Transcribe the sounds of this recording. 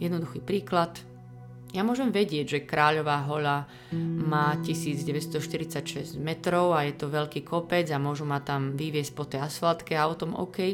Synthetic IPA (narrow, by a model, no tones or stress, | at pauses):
jɛd̪nɔd̪uxiːpɾiːklat̪ | jamʊɔʒɛmʋɛɟɪɛɟʒɛkɾaːʎɔʋaːɦɔʎa | maːcisiːd͡zɟɛʋɛt̪st̪ɔʃt̪iɾit͡sacʃɛzcmɛt̪ɾɔʊajɛt̪ɔʋɛʎkiːkʰɔpɛd͡zamʊɔʒumat̪amʋiʋɪɛsc̚pɔt̪ɛjasfalt̪kɛaɔt̪ɔmɔ̰kɛj